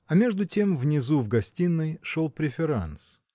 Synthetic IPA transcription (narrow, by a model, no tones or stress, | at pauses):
ɐmʲe̞ʐd̪ʊtʲe̞mvnʲɪzuvɡɐsʲtʲinːɨjʂolˠpɾʲɪfʲɪɾa̰ns